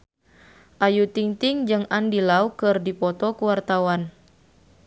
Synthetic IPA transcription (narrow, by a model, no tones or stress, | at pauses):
ʔajut̪iŋt̪iŋd͡ʒɨŋandilaukɨrdipɔt̪ɔkuwart̪awan